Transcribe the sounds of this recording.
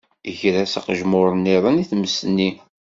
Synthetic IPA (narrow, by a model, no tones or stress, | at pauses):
əçɾæsəqʒmʊɾˤənːɪðˤəniθməsːənːi